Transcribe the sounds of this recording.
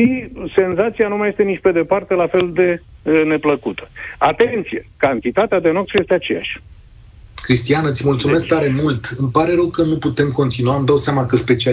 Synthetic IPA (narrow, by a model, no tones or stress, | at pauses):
ʃise̞nzat̪sianumaje̞st̪e̞nit͡ʃʲpe̞d̪e̞part̪e̞lafe̞ld̪e̞ne̞pləkut̪ə̥at̪e̞nt̪sijekant̪it̪at̪ead̪e̞no̞k̪̚suje̞st̪eat͡ʃe̞ja̰ʃʲ | kɾist̪ianət̪sʲmult̪sumesk̚t̪aɾe̞mult̪ɨmpaɾeɾəwkənuput̪e̞mko̞nt̪inuaːmd̪awseamakəspe̞t͡ʃia